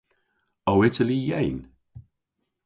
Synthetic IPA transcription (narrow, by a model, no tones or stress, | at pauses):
oʊɪtəlijɛ̃ɪn